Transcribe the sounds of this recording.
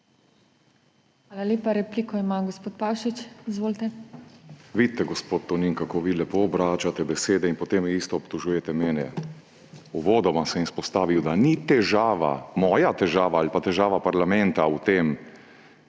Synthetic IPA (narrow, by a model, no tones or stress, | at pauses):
xʋaːlalʲeːpaɾɛpliːkɔimaɡospoːt̪pawʃit͡ʃizʋoːlt̪ɛ | ʋiːt̪t̪ːɛɡɔspoːt̪t̪ːɔniːnkakoːʋilɛpoːbɾaːt͡ʃat̪ɛbɛseːd̪ɛinpɔt̪emiːst̪ɔːpt̪ɔʒuːjɛt̪ɛmɛːnɛ | uʋoːd̪ɔʋamsɛmispɔst̪aːʋiwd̪anit̪ɛʒaːʋa̰mɔːjat̪ɛʒaːʋaalpat̪ɛʒaːʋapaɾlamɛ̃nt̪aut̪eːm